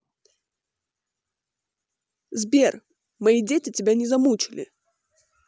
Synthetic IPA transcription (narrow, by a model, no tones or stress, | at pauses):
zbʲer | mɐjidʲetʲɪtʲɪbʲanʲɪzɐmut͡ɕɪlʲɪ̰